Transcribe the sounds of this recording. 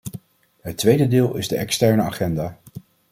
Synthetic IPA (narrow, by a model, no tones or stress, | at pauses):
ɦətːʋejdədɪːlˠɪzdəɛkstɛɹnəa̰ːχɛndaː